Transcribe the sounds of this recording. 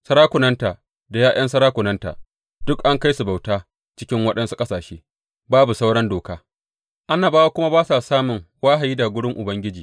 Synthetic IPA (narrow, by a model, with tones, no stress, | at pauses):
sɐ˦ɾaː˦kʷʊ˨nɐ˦ntaː˨ | da˨jaː˦j̰ɐ˦nsɐ˦ɽaː˦kʷʊ˨nɐ˦nta̰ː˨ | dʊ˦kʔa˦ŋka˦jsu˨ba˨wtaː˦ | t͡ʃɪ˦kʲɪ˦ŋwɐ˦ɗɐ˦nsu˦kʼɐ˦saː˨ʃeː˦ | baː˦bu˨sa˦wɽɐ˦ndoː˨kaː˦ | ʔa˦naː˨baː˦wa˦kʷʊ˦ma˦baː˦sa˨saː˦mʊ˨ŋwaː˦ɦa˨jiː˦daː˨ɡʷʊ˦ɽɪ˦ŋʔʊ˨bɐ˦ŋɡʲɪ˦d͡ʒiː˨